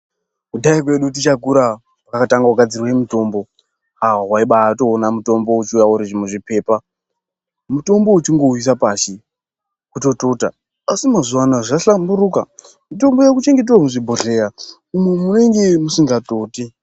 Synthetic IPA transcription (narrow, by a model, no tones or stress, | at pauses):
kuɗaikwe̞ɗut̬it͡ʃakuɾa | wakakataŋɡauɡʱad͡zirwemito̞ːmbo̞ | awaɦwaiɓato̞ːnamuto̞mbo̞ut͡ʃiujaoɾiʐimweʐipe̞ːpa | muto̞mbo̞ut͡ʃiŋɡo̞wis̬apaːʃi | kuto̞to̞ːta | asimazuanaʐaɬambuɾuka | mito̞mbo̞jakut͡ʃe̞ŋɡe̞t̬ewamuʐibʱoɮe̞a | umwe̞mune̞ŋɡe̞musiŋɡato̞ːte